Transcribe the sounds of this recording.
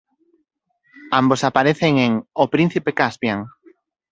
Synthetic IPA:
ambosapaɾeθeŋeŋopɾin̟θipekaspjaŋ

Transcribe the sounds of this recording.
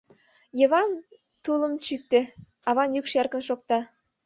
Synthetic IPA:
jɤ̆βɑn | t̪ulə̆mt͡ɕyk̚t̪ɘ̆ | ɑβɑnjykʃærkə̆nʃok̚t̪ɑ

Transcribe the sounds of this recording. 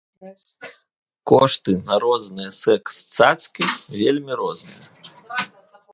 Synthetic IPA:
kɔʂt̪ɨnaɾɔznɨjɐsɛkst̪sat̪skʲivʲelʲmʲiɾɔznɨjɐ

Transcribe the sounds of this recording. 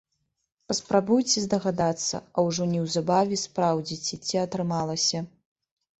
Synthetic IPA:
pɐspɾabujt͡sʲɛzd̪ɐɣad̪at̪sːɐ̰ɐwʐɔnʲɛwzabavʲɛspɾawd͡zʲit͡sʲɛt͡sʲiɐt̪ɾɨmalˠɐsʲɐ

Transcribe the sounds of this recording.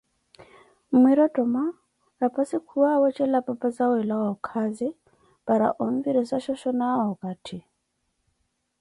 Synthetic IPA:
mwiɾɔtʼɔma | ɾapasikʰuwawɔt͡ʃɛlapapazawɛlawɔkʰazi | paɾa̰ʔɔɱviɾɔsaʃɔʃɔnaɔkatʰi

